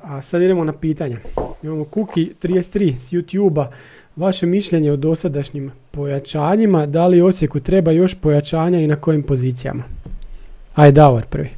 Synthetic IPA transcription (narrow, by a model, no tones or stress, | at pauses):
asad̪id̪e̞mo̞napiːt̪aɲaimamokukit̪ɾijest̪ɾiːsjut̪juːba | ʋaʃe̞miʃʎʲe̞ɲeod̪o̞sad̪aʃɲimpo̞jat͡ʃaːɲimad̪alio̞sje̞kut̪ɾe̞bajo̞ʃpo̞jat͡ʃaːɲainako̞jimpo̞ziːt̪sija̰ma | ajd̪auoɾpr̩ʋi